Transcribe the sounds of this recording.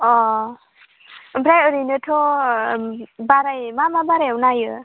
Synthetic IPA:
ɔ | bɾajɯɾijnɯtʰo | baɾajmamabaɾajawnajɯ

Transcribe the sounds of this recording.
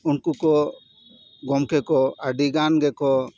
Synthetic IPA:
unkukɔ | ɡɔmkɛkɔaɖiɡanɡɛkɔ

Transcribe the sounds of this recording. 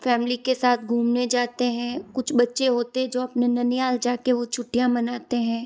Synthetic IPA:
fɛːmlikesaːt̪̚ʰɡʱuːmned͡ʒaːt̪eɦɛ̃ːkʊt͡ʃʰbɐtːʃeɦoːt̪eɦɛ̃d͡ʒoːɐpnenɐnɪjaːld͡ʒaːkeʋot͡ʃʰʊʈːijãmɐnaːt̪eɦɛ̃ː

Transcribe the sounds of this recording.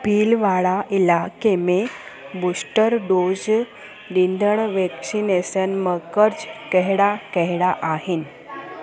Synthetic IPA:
piːlʋaɭaʔilakemebusʈəɾɖod͡z | ɖ̪ind̪ʱəɳʋeksinesənməkəɾd͡zkɛɦɽakɛɦɽaʔaɦin

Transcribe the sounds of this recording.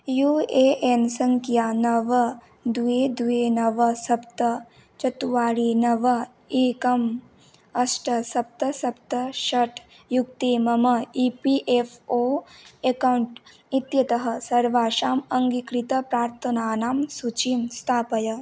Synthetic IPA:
juːeʔensɐŋkʰjaːnɐʋɐ | d̪ueːd̪ueːnɐʋɐsɐp̚t̪ɐ | t͡ʃɐt̪uʋaːɽinɐʋɐ | ikɐm | ɐsʈɐsɐp̚t̪ɐsɐp̚t̪ɐʃɐʈʰ | juk̚t̪imɐmɐipiʔefʰoːekawuɳʈ | it̪jɐt̪ɐɦɐ̆sɐɾʋaːʃaːmɐŋɡikɾit̪ɐpɾaːɾt̪ʰɐnaːnaːmsut͡ʃimst̪ʰaːpɐjɐ

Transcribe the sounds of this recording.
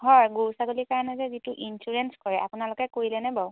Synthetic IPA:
ɦɔɹɡuwsaɡolikaɹɔnɛzɛzituʔinsuɹɛnskɔɹɛʔapʊnalʊkɛkoɹilɛnɛbaw

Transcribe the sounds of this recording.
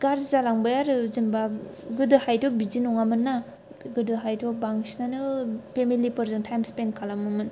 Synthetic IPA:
ɡaɾszalaŋbajaɾɯzimbaɡɯdɯhajtɔbizinɔŋamɯnːa | ɡɯdɯɦajtʰɔbaŋsnanɯpʰemilipɯɾzɯntʰajmspenkʰalamɯmɯn

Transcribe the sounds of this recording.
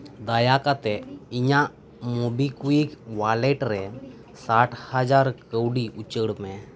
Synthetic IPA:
d̪ajakat̪ɛʔiɲaʔ | mɔbikuikwalɛʈɾɛ | saʈʰhad͡ʒaɾkəwɖiʔut͡ʃəɽmɛ

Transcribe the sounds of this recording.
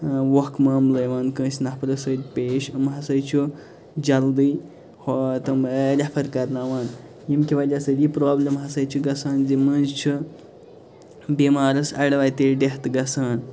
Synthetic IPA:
wɐhkmaːmləjʋaːnkə̃ːsʲnɐhpɾɐsəd̪ʲpeːʃɨmɦɐsɐjt͡ʃʰu | d͡ʒɐld̪ɨː | hot̪ɨmɾʲɐpʰɐɾkɐɾnaːʋaːn | jimkʲiʋɐd̪ʲasɐd̪ʲipɾoːblʲɐmɦɐsɐjt͡ʃʰuɡɐsaːnzimənzt͡ʃʰu | biːmaːɾɐsɐɽʋaːjt̪eɖʲeht̪ɡɐsaːn

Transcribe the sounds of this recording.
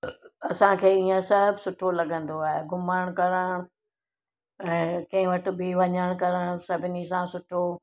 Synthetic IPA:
ɐsãkʰeːiːẽsɐɦbʱsʊʈʰolɐɡʱə̃nd̪oaːɦeɡʱʊmaːɽ̃kɐɾəɽ̃ | ɛ̃ːkɐ̃ɦɪ̃ʋɐʈʰɪ̆biʋɐɲəɽ̃kɐɾəɽ̃sɐbʱɪnisãsʊʈʰo

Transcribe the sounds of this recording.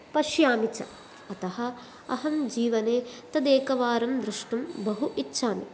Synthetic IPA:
pɐʃjaːmit͡ʃɐ̰ | ɐt̪ɐhɐ̆ | ɐɦɐmd͡ʒiːʋɐneːt̪ɐd̪eːkɐʋaːɾɐmd̪ɾuʂʈumbɐɦuʔitːʃʰaːnḭ

